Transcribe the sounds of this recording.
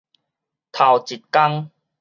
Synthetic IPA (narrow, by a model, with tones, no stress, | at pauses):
t̪ʰa˨˩wt͡ɕi˨˩t̪̚ka˦ŋ